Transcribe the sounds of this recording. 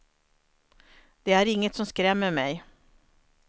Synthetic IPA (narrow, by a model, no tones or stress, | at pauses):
d̪̥ɛæɾɪŋːət̪sɔmskɾɛmːəmɛj